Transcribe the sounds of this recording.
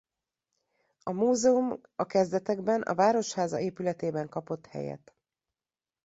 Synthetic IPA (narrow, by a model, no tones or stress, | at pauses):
ɒmuːzɛum | ɒkɛzd̪ɛt̪ɛɡbɛnʔɒ̰vaːɾo̞ʃhaːzɒ̰eːpylɛt̪eːbɛŋkɒpo̞t̪hɛ̰jɛ̰t̪